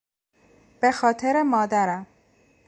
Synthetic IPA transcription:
b̥e̞xɒːt̪ʰe̞ɾemɒːd̪æɾæm

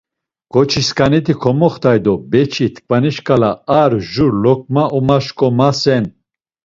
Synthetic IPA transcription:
ɡ̥ɔt͡ʃʰiskʼanit̪ʰikʰɔmɔχt̪ʰajd̪ɔbɛt͡ʃʰit̪ʰkʰʼvaniʃkʰʼalaaɾʒuɾlɔk̚ʰʼmaɔmaʃkʼɔmasɛn

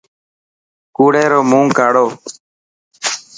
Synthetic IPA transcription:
kuːɽeːɾoːmũːŋkaːɽoː

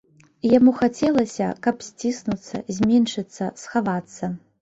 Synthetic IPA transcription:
jamuxat͡sʲɛlˠɐsʲɐ̰kɐpsʲt͡sʲisnut̪sːɐ̰zʲmʲɛnʂɨt̪sːɐsxavat̪sːɐ

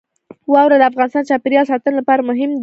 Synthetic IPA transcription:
wɑwɾad̪əafɣɑnɪst̪ɑnt͡ʃɑpɪɾjɑls̬ɑt̪ənlapɑɾamʊɦɪmd̪

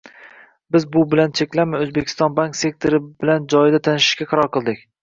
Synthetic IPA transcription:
bɪzbʊbɪlant͡ʃʰe̞kʲlamɪɵzbekʲʰɪ̥st̪ɒnbaŋkse̞k̚t̪ʰo̞ɾɪbɪland͡ʒɒjɪd̪at̪ʰanɪʃɪ̥ʃkʲaqʰɑɾɒɾqʰɨlˠd̪ɪkʲ

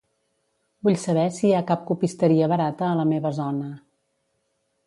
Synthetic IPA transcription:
buʎsəβ̞ɛsiakap̚kupist̪əɾiəβəɾat̪əːləmeβəzɔnə

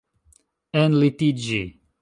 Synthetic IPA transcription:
ɛ̃nlit̪id͡ʒi

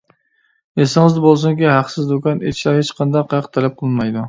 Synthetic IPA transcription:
esɪŋɨzd̪ɪbolˠs̬ʊŋkʲihæqsɪzd̪okɑnḛt̪ʰɪ̥ʃlæɾhet͡ʃqʰɑnd̪ɑqʰɑjɑqt̪ʰælɛp̚qʰəlˠɨnmɑjd̪u

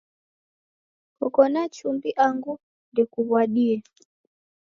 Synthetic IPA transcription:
kɔkɔnat͡ʃumbiʔaŋɡu | ndɛkuβwaɗiɛ

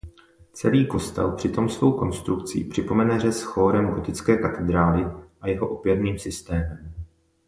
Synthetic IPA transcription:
t͡sɛliːko̞st̪ɛ̰lpr̥ɪt̪o̞msvo̞wko̞nst̪ɾukt͡sḭpr̥ɪpo̞mɛnɛrɛsxo̞ːɾɛmɡo̞t̪ɪt͡skɛːkat̪ɛd̪ɾaːlɪʔajɛɦo̞ʔo̞pjɛɾniːmsɪst̪ɛːmɛm

